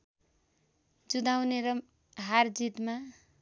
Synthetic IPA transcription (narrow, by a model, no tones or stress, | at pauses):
d͡zud̪awneɾʌ | ɦard͡zit̪ma